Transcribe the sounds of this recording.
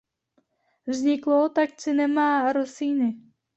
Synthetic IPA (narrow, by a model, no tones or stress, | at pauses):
vzɲɪklot̪ak̚t͡sɪnɛmaːɾosiːnɪ